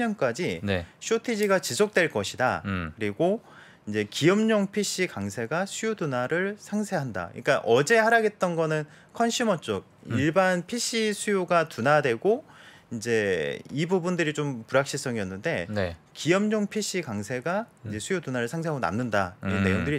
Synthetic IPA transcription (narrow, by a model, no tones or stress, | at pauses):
ʌnk͈ad͡ʑinɕʰotʰed͡ʑiɡat͡ɕisʰok̚t͈we̞ɭk͈ʌɕʰida̰kɯɾiɡo | ind͡ʑe̞kijʌmɲoŋpʰiɕ͈ʰikaŋsʰe̞ɡasʰujotunaɾɯɭsʰaŋsʰe̞ɦanda̰ɯ̰ik͈aʔʌd͡ʑe̞haɾaɡe̞t̚t͈ʌnɡʌnɯn | kʰʌnɕʰimʌt͡ɕ͈ok̚iɭbanpʰiɕ͈ʰisʰujoɡatunadwe̞ɡo | ind͡ʑe̞ibubundɯɾit͡ɕompuɾak̚ɕ͈is͈ʌŋiʌnːɯnde̞kijʌmɲoŋpʰiɕ͈ikaŋsʰe̞ɡaind͡ʑe̞sʰujotunaɾɯɭsʰaŋsʰeɦaɡona̰mnɯndaiʌnːe̞joŋdɯɾi